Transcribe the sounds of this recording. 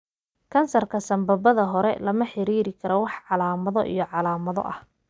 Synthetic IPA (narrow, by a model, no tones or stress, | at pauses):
kʰɐnsɐrkʰɐsɐmbɐbɐðɐɦɔɾɛlɐmɐħɪɾiːɾɪkʰɐɾɔwɑħʕɑlaːmɐðɔʔḭjɔʕɑlaːmɐðɔ̰ʔɐh